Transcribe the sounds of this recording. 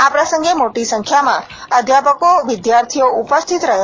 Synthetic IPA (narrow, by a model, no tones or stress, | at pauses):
apɾəsə̃ŋɡemoʈisə̃ŋkʰjamã | əd̪ʱjapəkoʋɪd̪jaɾt̪ʰioupəst̪ʰit̪ɾəɦ